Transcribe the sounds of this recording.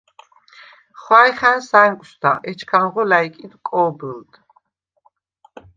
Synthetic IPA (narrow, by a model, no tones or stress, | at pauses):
χwaɾiχansaɛmkʼsd̪aʔɛt͡ʃʰkʰanʁɔlaikʼid̪kʼɔbəld̪